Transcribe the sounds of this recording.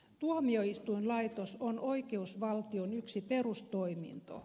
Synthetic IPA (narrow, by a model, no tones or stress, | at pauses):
t̪uɑmioist̪uinlɑit̪osonoikeusʋɑlt̪ionyksipe̞rust̪oimḭnt̪o̰